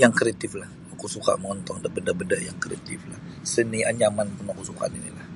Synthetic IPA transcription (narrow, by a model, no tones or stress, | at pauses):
jaŋkɾeat̪iflah | akusuka̰ʔməŋɔnt̪ɔŋdabədabədaʔjaŋkɾeat̪iflahsəniaɲamantunakusuka̰ʔninilah